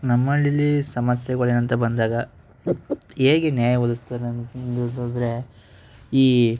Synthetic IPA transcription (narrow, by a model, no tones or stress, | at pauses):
nɐmːɐlːilːisɐmɐsjɐɡɐɭenɐnt̪ɐbɐnd̪aːɡɐ | eːɡenjaːjɐʋɐd̪ust̪aːɾend̪ud̪od̪ɾe̞ | iː